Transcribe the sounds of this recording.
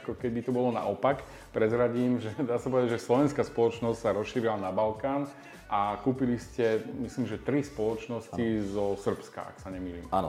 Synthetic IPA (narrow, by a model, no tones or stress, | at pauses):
kɔkɛd̪it̪ɔbɔlɔna̰ʔɔpak | pɾɛzɾaɟiːmʒɛd̪aːsapɔʋɛd̪aɟʒɛslɔʋɛnskaspɔlɔt͡ʃnɔscsaɾɔsʃiːɾilanabalkaːn | ʔakuːpiliscɛmislimʒɛt̪ɾispɔlɔt͡ʃnɔscizɔsr̩pska̰ʔa̰ksaɲɛmiːliːma̰n̰